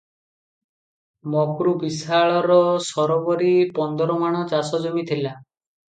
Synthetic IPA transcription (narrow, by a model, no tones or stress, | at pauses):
mɔkɾubisaɭɔɾɔsɔɾɔbɔɾipɔnd̪ɔɾɔmaɽ̃ɔt͡ʃasɔd͡ʒomit̪ʰila